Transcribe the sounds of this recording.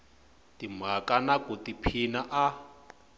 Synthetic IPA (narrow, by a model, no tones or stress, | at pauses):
timakanakutipʰinaʔa